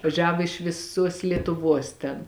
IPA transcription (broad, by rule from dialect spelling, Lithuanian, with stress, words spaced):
ʋɐˈʒʲæːʋoː ɪʃ ʋʲɪˈsuɔs lʲiɛtʊˈʋuɔs tʲɛn